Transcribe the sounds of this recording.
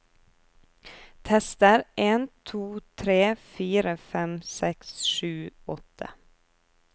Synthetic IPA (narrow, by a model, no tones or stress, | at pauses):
t̪ʰɛst̪əɾʔeːnt̪ʰuːt̪ʰɾeːfyːɾəfɛmsɛksʂʉːɔt̪ʰːə̰